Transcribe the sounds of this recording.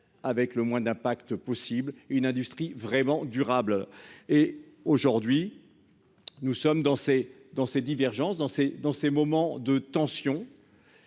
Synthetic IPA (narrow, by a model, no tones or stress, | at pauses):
avɛkləmwɛ̃d̪ɛ̃pakt̪əpɔsiblynɛ̃d̪yst̪χivʁɛmɑ̃d̪yʁable | oʒuʁd̪ɥi | nusɔmd̪ɑ̃se | d̪ɑ̃sed̪ivɛʁʒɑ̃sd̪ɑ̃sed̪ɑ̃semɔmɑ̃d̪ət̪ɑ̃sjɔ̃